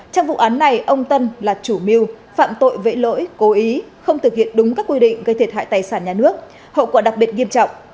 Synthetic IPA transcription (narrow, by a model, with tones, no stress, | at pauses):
t͡ɕɔ˧wŋ͡mvṵ˧˨ʔaː˨˦nːa˨˩jʔə˧wŋ͡mt̪ə˧nlaː˨˩t͡ɕu˧˩mi˧əw | fa̰ː˧˨mt̪o̰˧˨jvḛ˧˥lo̰˧˥jko˨˦ʔi˨˦xə˧wŋ͡mt̪ʰɨ˨˩hḭ˧˨ənɗʊ˨˦ŋ͡mkaː˦˥kːwi˧ɗḭ̈˧˨ŋ̟ɣə˧jt̪ʰt̚ha̰ː˧˨jt̪aː˨˩jsaː˧˩nɲaː˨˩nɨ˦˥ək̚ | ho̰˧˨kwaː˨˩ɗa˨˩k̚ɓi˨˩ət̚ŋi˧əmt͡ɕɔ̰˧˨wŋ͡mʔ